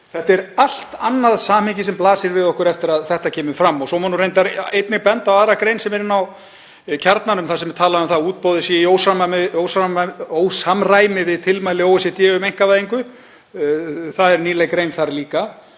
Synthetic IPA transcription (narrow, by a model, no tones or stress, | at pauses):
θɛht̪ɛɾal̥t̪anːaðsaːmɪɲcɪsɛmplaːsɪɾvɪðɔhkʏɾɛft̪ɪɾaðθɛht̪acʰɛːmʏfɾamːɔɣsɔmanurejnt̪̬aɾejt̪nɪɣpɛnt̪awaːɾakɾejnsɛmɛɾɪnːaw | cʰaɾt̪nanʏmθasɛmvɛt̪ʰaːlaʏmθauːt̪̚powðɪsiːioːwsamaɪoːwsaoːwsamraːjmɪvɪðt̪ʰɪlmajlɪowɛsɪt̪jɛːɣʏmejŋ̥kavaːjðiŋkʏ | θaðɛɾniːlejkɾejnθaɾliːka